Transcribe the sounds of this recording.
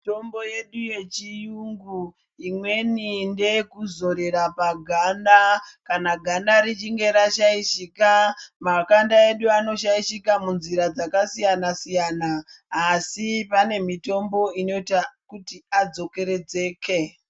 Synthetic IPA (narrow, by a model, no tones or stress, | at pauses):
ito̞mbo̞je̞ɗuje̞t͡ʃijuŋɡu | imwe̞ninde̞kuzo̞ɾe̞ɾapaɡʱandakanaɡʱandaɾit͡ʃiŋɡe̞ɾaʃaiʃikamakandae̞ɗuano̞ʃaiʃikamunziɾad͡zakasijanasijaːnaː | sipane̞mito̞mbo̞ino̞itakutiad͡zo̞ke̞ɾe̞d͡ze̞ːkʰe̞